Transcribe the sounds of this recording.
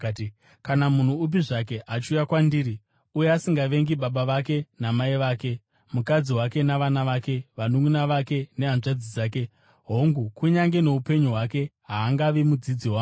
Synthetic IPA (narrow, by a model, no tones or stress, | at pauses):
kanamun̤uup̬iʐake̞ʔat͡ʃiujakwandiːɾi | ujeasiŋɡaʋe̞ŋɡiɓaɓaʋake̞namaiʋaːke̞ | mukad͡ziɦwake̞naʋanaʋake̞ʋanuŋɡunaʋake̞ne̞anʐad͡zid͡zaːk̬e̞ | ɦo̞ŋɡukuɲaŋɡe̞no̞upe̞ɲuɦwake̞ɦaːŋɡaʋimud͡zid͡ziwaː